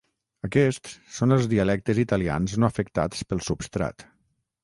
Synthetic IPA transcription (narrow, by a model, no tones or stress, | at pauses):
əkɛst̪ssonəlˠzðiəlɛk̚t̪əzit̪əlia̰nznoəfəkt̪a̰t͡spəlˠsupst̪ɾa̰t̪